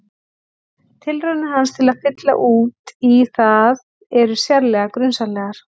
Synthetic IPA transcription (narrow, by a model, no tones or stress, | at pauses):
t̪ʰɪlrœnɪɦanst̪ʰɪlaðfɪt̪la̰ʔuːt̪iθað | ɛɾʏ̥sjaɾlɛːɣakɾʏnsanlɛːɣaɾ̥